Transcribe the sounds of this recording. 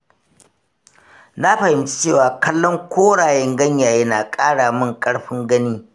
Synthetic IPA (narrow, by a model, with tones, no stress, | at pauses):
na˦ɸɐ˨hɪ˨mt͡ʃi̥˦t͡ʃeː˦˨waː˨kɐ˦lːɔ˦ŋkʷoː˦ɽaː˨jɛ˦ŋɡɐ˦ɲjaː˨jɐ˦naː˨kʼaː˦ɽaː˨mɪ˦ŋkʼɐ˦ɽɸɪ˦ŋɡɐ˦niː˦